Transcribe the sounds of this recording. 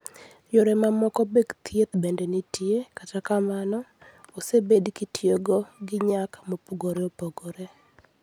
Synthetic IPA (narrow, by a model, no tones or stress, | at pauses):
joɾɛmamɔkɔbeɡt̪jet̪bendenitjekatakamanɔosebedkitʰjeɡɔɡɪɲakmopoɡoɾeopoɡoɾe